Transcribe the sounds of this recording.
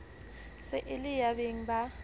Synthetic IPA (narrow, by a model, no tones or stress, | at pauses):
sɛʔɪlɪjabeŋ̩ba